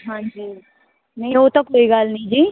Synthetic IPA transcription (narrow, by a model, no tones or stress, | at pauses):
ɦãːɲd͡ʒiː | nɐ̃ĩoːt̪õkoːiɡalnĩd͡ʒiː